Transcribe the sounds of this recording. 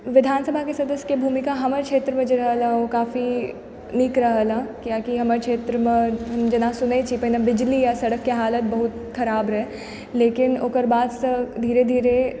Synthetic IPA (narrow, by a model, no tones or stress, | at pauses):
ʋɪd̪ʱaːnsəbʱakesɐd̪əsjəkebʱuːmɪkaɦɐməɾkʃʰeːt̪ɾəmẽd͡ʒeɾɐɦəlaokaːfi | niːkɾɐɦəlakjaːkiɦɐməɾkʃʰeːt̪ɾəmẽɦɐmd͡ʒɐnasʊnet͡ʃʰipɐɦinabɪd͡ʒlijasɐɽəkːeɦaːlət̪̚bɐɦʊt̪ | xɐɾaːbɾɛ | leːkɪnoːkəɾbaːd̪səd̪ʱiːɾed̪ʱiːɾe